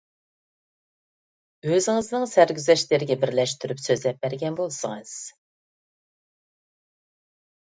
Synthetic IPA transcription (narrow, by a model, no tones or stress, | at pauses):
øzɪŋɨznɨŋsæɾɡʲyzɛʃlɪɾɪɡʲɛbɪɾlɛʃt̪ʰyɾypsøzlɛp̚bæɾɡʲɛnbolˠsɨŋɨz̥